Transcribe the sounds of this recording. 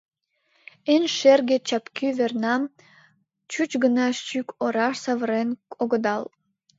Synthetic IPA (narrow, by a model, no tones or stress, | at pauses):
enʃerɡet͡ɕɑpkyvernɑm | t͡ɕut͡ɕɡənɑʃt͡ʃykʰoɾɑʃsɑβəɾenkʰʼoɣə̆d̪ɑl